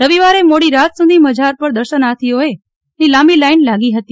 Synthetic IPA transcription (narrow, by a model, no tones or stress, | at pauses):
ɾəʋiʋaɾemoɽiɾat̪sud̪ʱiməd͡ʒʱaɾpəɾd̪əɾʃənat̪ʰioe | nilamilainlaɡiɦət̪i